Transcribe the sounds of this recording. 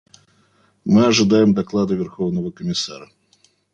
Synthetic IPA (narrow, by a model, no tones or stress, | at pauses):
mɨɐʐɨd̪ajɪmd̪ɐklˠad̪ɨvʲɪrxovnəvəkəmʲɪsaɾə